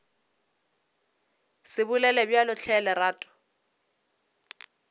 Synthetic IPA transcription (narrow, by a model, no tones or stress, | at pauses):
sɪbʊlɛlɛbjalʊt͡ɬʰɛlɛraːtʼʊ̥